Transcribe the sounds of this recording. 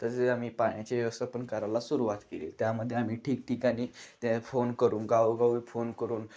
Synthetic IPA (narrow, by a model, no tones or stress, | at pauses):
t̪əɾd͡zeamiːpaj̃ãt͡ɕeʋəst̪əpənkəɾalasuɾuʋat̪kelḛlt̪jaməd̪ʱːjeam̤iːʈʰiːk̚ʈiːkaɽ̃iːt̪efonkəɾuːnɡauɡaʋufonkəɾuːn